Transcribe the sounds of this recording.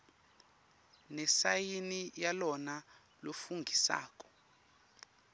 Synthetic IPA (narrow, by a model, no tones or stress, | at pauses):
nɛsajinijalɔna | lofuŋɡʱisa̰ːkɔ̥